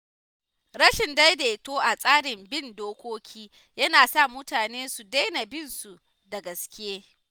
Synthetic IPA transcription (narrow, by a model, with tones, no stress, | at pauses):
ɾɐ˦ʃɪ˨nda˦jdeː˨toː˦ʔa˨sʼaː˦ɽɪ˨mbɪ˦˨ndoː˦kʷoː˦kʲʰiː˦ | jɐ˦naː˨sa˦˨mʊ˦taː˨neː˦su˨da˦jna˨bɪ˦nsu˨ | da˨ɡɐ˨skʲɪ˦jeː˦